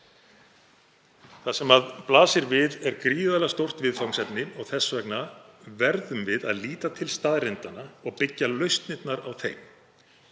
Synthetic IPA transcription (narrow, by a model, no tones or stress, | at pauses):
θasɛmaðplaːsɪɾvɪðɛɾkɾiːðalast̪owr̥t̪vɪðfawŋsɛpnɪɔɣθɛsːvɛknavɛɾðʏmvɪða̰ðliːt̪at̪ʰɪlst̪aːðrɪnt̪anaɔɣpɪcːalœɥst̪nɪt̪naɾawθejm